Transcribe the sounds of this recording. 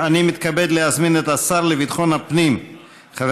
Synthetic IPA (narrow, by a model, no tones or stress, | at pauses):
animit̪kabed̪leazminet̪asaɾlevid̪χonhapnim | χav